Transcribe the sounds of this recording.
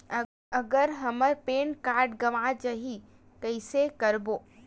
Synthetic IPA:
ɐɡəɾɦɐməɾpeːnkaːɾɖɡɐmat͡ʃɐɦi | kəɪsekɐɾboː

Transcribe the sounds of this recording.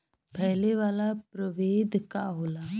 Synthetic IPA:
pɛɦleʋaːlapɾəʋeːd̪ʱkaɦoːlaː

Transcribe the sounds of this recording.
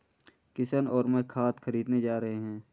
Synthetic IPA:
kɪsənɔːɾmɛ̃ːkʰaːt̪xəɾiːd̪ned͡ʒaːɾɐɦeɦɛ̃ː

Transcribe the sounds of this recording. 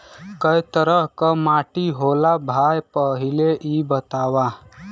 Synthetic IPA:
kəjt̪əɾəɦkəmaʈiɦolabʱajpəɦileʔibət̪aʋa

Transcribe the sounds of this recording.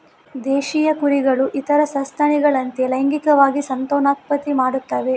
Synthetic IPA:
d̪eːʃijɐkuɾiɡɐɭuʔit̪ɐɾɐsɐst̪ʰɐɳiɡɐɭɐnt̪elɐjɐŋɡikɐʋaːɡisɐnt̪oːnaːt̪̚pɐt̪ːimaːɽut̪ːɐʋe̞

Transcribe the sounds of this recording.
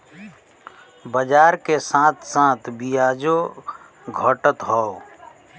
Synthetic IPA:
bəd͡ʒaːɾkesãːt̪ʰsãːt̪ʰbijaːd͡ʒo | ɡʱɔʈət̪ɦɔː

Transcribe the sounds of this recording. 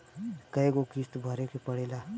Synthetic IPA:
kəeɡokist̪bʱəɾekepəɽ̤ela

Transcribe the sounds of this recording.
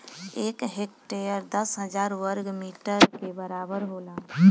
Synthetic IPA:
eːkɦekʈejəɾd̪əsɦəd͡ʒaːɾwəɾɡmiːʈəɾkebəɾaːbəɾɦola

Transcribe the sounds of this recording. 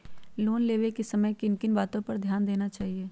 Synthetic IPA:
loːnleːʋekisɐməjkɪnkɪnbaːt̪õpɐɾd̪ʱjaːnd̪eːnat͡ʃaːɦieː

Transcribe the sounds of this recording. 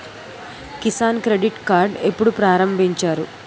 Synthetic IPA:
kisaːnkɾeɖiʈkaːɾɖe̞pːuɽupɾaːɾɐmbʱiɲt͡ʃaːɾu

